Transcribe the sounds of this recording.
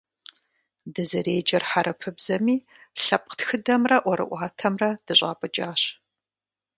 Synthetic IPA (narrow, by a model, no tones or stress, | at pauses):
dɨzɐɾeːd͡ʒɐrħaɾɐpʰɨbzɐmiː | ɬɐp̚ʼqtxɨdɐmrɐʔʷɔɾɨ̰ʔʷɑːtʰɐmrɐd̥ɨɕʷʼaːpʼɨd͡ʒʼaːɕ